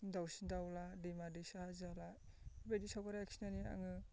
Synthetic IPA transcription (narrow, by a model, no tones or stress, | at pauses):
dawsindawladijmadisaazala | bajdisawbaɾaakʰi̥nania̰ŋɯ